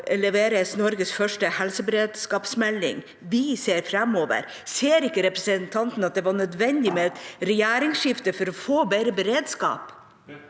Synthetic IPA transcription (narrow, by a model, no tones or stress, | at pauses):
lɛʋeːɾəsnɔɾɡəsfœʂʈəhɛlsəbəɾeːd̪skɑːpsmɛlɪ̰ŋ | ʋɪseːɾfɾɛmoːʋə̰ɾ | seːɾɪkːəɾɛpɾəsənt̪ʰɑnt̪n̩ɑt̪̚d̪ɛʋɑɳœd̪ʋɛnd̪ɪmɛɾɛjæːɾɪŋʃɪft̪əfɔɾɔfoːbeɾəbəɾeːd̪skɑ̰ːp